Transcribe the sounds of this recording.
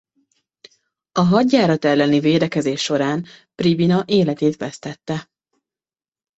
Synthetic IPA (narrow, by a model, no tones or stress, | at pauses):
ɒɦɒɟːaːɾɒt̪ɛlːɛniveːd̪ɛkɛzeːʃːo̞ɾaːnpribinɒʔeːlɛt̪eːt̪ʋɛst̪ɛt̪ːɛ